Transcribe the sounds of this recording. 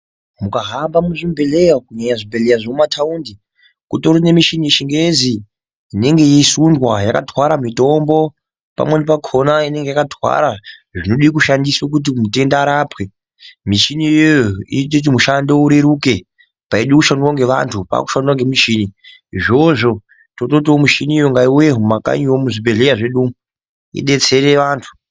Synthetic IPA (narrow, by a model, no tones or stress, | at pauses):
mukaɦambamuʐimbelejakuɲaɲaʐimbelejaʐoumatʰauːndi | kutoɾone̞miʃinieʃiŋɡezi | ine̞ŋɡe̞jesundwajakadwaɾamito̞mbo̞ | pa̰mwenep̬akʰo̞naine̞ŋɡe̞jakadʱwa̰ɾaʐino̞ɗiik̬uʃandiswak̬ut̬imute̞ndaːɾapwe̞ | miʃiniojoḭt̬ekut̬imuʃando̞uɾeɾuke̞ | paiɗikuʃandirwaŋɡe̞ʋa̰ntʰupa̰ku̥ʃanduwaŋɡemiʃini | iʐo̞ʐo̞ | toto̞t̬omuʃinijoŋɡaiweɦumaka̰ɲiwomuʐibe̞ɮejaʐe̞ɗum | ḭɗe̞t͡se̞ɾe̞ʋaːntʰu̥